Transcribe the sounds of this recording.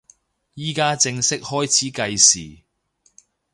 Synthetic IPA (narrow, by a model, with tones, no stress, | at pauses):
jiː˥kaː˥t͡sɪ˧ŋsɪ˥k̚hɔː˥jt͡sʰiː˨˥kɐ˧jsiː˨˩